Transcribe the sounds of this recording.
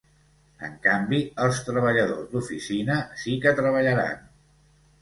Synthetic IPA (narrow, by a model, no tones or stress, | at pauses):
ə̰ŋkambiəlˠst̪ɾəβəʎəðozd̪ufisinəsikət̪ɾəβəʎəɾa̰n